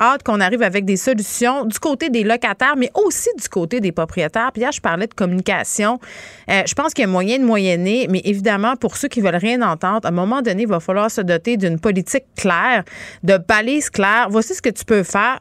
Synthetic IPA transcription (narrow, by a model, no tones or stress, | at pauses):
ɑt̪kɔ̃naʁiːvavɛk̚d̪esɔlysjɔ̃d̪ykot̪ed̪elɔkat̪ɛːʁmɛʔosid̪zykot̪ed̪epχɔpχijet̪ɛːʁpijæːʁʒə̥paʁlɛd̪əkɔmynikʲa̰sjɔ̃əʒəpɑ̃skʲjamwajɛ̃d̪əmwajɛnemɛʔevid̪amɑ̃pʊʁsøkʲivœlʁjɛ̃nɑ̃t̪ɑ̃d̪ʁɛ̃mɔmɑ̃d̪ɔneivafalwaːʁsəd̪ɔt̪ed̪ynpɔlit͡sɪkːlɛːʁd̪əpaliz̥klɛːʁvwasisə̥kət̪y̥pøfɛːʁ